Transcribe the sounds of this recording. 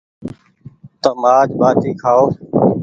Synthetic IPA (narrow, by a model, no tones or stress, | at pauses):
t̪əmaːd͡ʒbaːt̪iːkʰaːoː